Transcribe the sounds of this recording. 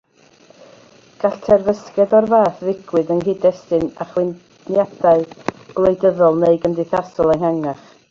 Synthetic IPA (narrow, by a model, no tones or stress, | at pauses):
ɡ̥aɬtʰɛrvəskɛðɔrvaːθvɪɡ̥wɨðənɦɨdɛstɨna̰χwɪn | njadaɨb̥lˠejdəðɔlˠneɨɡəmdɪθasɔlˠanhaŋaχ